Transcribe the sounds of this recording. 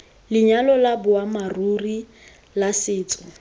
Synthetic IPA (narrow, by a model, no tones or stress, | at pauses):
lɪɲalɔlabʊamaruri | lasɪːt͡sʼɔ